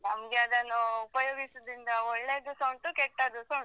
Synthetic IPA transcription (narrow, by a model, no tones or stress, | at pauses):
nɐmɡeɐd̪ɐnuupɐjoːɡisɐd̪ind̪ɐɔɭːeːd̪usɐɳʈukɛʈːɐd̪usoɳ